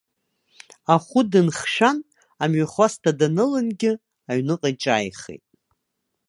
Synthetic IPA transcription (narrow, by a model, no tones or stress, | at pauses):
aχʷʊdɨnχʃᶣan | amɥaχʷastʰadanɨlɨnɡʲɪ | aɥnɨqʼat͡ʃʼa̰ːjχḛjtʼ